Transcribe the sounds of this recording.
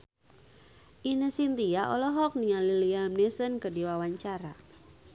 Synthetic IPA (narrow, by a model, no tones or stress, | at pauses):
ʔinəsint̪iaʔɔlɔɦɔk̚niŋaliliamnesənkədiwawaɲt͡ʃaɾa̰